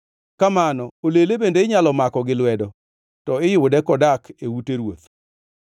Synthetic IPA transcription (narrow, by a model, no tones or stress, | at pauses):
kamanɔolelebendeɪɲalɔmakɔɡɪlwɛdɔ | tɔɪjʊwdɛkɔdakʰewuteɾwot̪